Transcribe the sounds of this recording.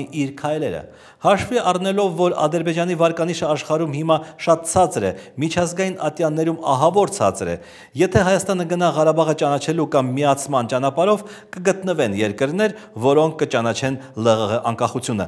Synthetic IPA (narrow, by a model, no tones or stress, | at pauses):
iiɾkʰɑjlɛɾə̰ | hɑʃviɑrnɛlɔvːɔɾɑ̰d̪əɾbɛd͡ʒɑnivɑɾkɑniʃəɑʃχɑɾumhimɑʃɑt̪̚t͡sʰɑt͡sɾɛmit͡ʃʰɑzɡɑjinʔɑt̪jɑnːɛɾumɑ̰ɦɑvɔɾt͡sʰɑ̰t͡sɾɛ̰ | jɛt̪ʰɛɦɑjɑst̪ɑn̪əɡənɑʁɑɾɑbɑʁət͡ʃɑnɑt͡ʃʰɛlukɑmːiɑt͡sʰmɑnt͡ʃɑn̪ɑpɑɾɔvkəɡət̪nəvɛnjɛɾkəɾn̪ɛɾvɔɾɔŋkʰːət͡ʃɑn̪ɑt͡ʃʰɛnləʁəʔɑŋkɑχut͡sʰjunə̰